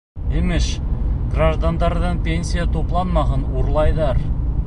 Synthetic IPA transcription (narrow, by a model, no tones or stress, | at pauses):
emɪʃɡraʒd̪and̪ɑɾd̪əɴpʲe̞nsʲijat̪ʰoplˠɑnmɑʁənoɾlˠɑjd̪ɑɾ